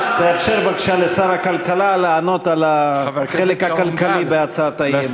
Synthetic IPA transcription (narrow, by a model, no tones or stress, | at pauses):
beːfʃeʁbakʃalesaʁakalkalaleːno̞t̪alaχχelekhakalkalibeat͡saat̪ajem